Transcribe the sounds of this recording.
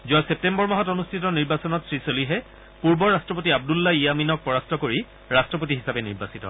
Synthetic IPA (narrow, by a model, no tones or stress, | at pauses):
zuasep̚tembɔɹmɔɦɔtonustʰitɔniɹbasɔnɔtsɹisoliɦɛ | puɹbɔɹastɹɔp̬otiab̚dulːaijaminɔk̚pɔɹastʰɔkoɹi | ɹastɹɔpotiɦisabɛnḭɹbasitɔ̰